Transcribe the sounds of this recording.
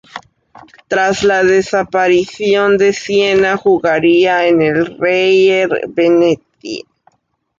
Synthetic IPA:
t̪ɾazlaðesapaɾisjo̞nd̪esjenaxuɣaɾiaenelrejeɾbenet̪̚ḭ

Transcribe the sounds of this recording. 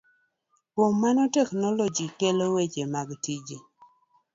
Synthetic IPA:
pomːanɔtɛknɔlɔd͡ʒikelowet͡ʃemaɡtid͡ʒi

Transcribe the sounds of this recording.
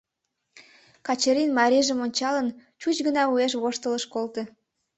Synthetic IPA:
kɑt͡ɕeɾinmɑɾʲiʒəmonʲt͡ɕɑlənt͡ɕut͡ɕɡənɑueʃ̬βoʃt̪ələʃkolt̪e

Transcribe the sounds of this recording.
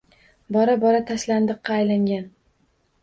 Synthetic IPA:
bɒɾabɒɾat̪ʰaʃland̪ɨqːɑːjlaŋɡʲan

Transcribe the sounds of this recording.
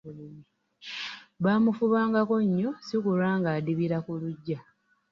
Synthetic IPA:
βaːmufuβaːŋɡako̞ɲːo̞sikuɾaːŋɡaːdiβiɾakuluɟːa

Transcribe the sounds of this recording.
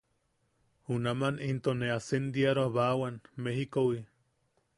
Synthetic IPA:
hunamanint̪oneasend̪iaɾoahβawanmeɦikowi

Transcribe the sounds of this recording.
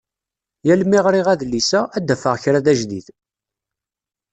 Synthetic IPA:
jælmiʁɾiʁæðlːisææd̪ːæfəʁçɾæðæʒðḭð

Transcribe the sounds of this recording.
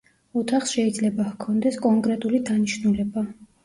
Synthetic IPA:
ut̪ʰaχsʃɛid̪zlɛbakʰɔnd̪ɛskʼɔŋkʼɾɛt̪ʼulid̪aniʃnulɛba

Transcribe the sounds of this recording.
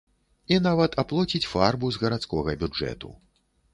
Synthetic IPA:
inavɐt̪ʰaplˠɔt͡sʲit͡sʲfarbuzɣɐɾat̪skɔɣɐbʲud͡ʐɛ̰t̪ṵ

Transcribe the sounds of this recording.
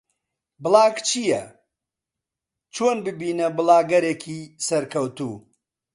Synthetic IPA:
bɨlˠaːɡt͡ʃʰijɐ | t͡ʃʰoːnbɨbiːnɐbɨlˠaːɡɐɾeːkʰiːsɐɾkʰɐwt̪ṵː

